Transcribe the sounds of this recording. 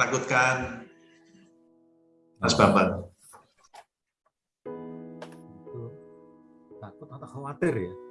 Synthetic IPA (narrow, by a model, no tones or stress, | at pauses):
akut̪̚kan | asb̥amban | it̪u | t̪akʊt̪at̪akowat̪ɪra